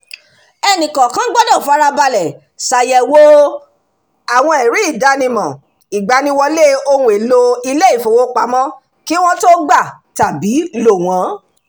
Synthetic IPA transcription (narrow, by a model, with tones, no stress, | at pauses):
ɛ˧nĩ˨kɔ̃˨kã˦ɡ͡bɔ˦dɔ̃˦˨fa˦ɾa˧ba˧lɛ˨ | sa˨jɛ˧˨wo˦ | a˨w̃ɔ̃˧ɛ˨ɾi˨˦i˦˨da˧˦nĩ˧mɔ̃˨ | i˨ɡ͡ba˨nĩ˧˦wɔ˧le˦o˧ũ˧˦e˨lo˧i˧le˦i˦˨fo˨wo˦k͡pa˨˦mɔ̃˦ | ki˦w̃ɔ̃˧to˦ɡ͡ba˦˨ | ta˨bi˨˦lo˦˨w̃ɔ̃˨˦